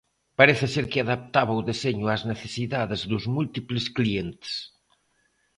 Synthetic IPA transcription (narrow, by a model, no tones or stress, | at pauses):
paɾeθɪseɾkɪaðap̚t̪aβ̞ɐuðeseɲʊazneθe̥siðaðezðuzmult̪iplɪsklient̪e̥s